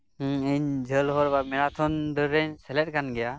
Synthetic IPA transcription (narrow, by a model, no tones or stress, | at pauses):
iɲd͡ʒʱəlɦɔɾbamɛɾat̪ʰɔnd̪ɯɾːɛɲsɛlɛt̚kanɡɛja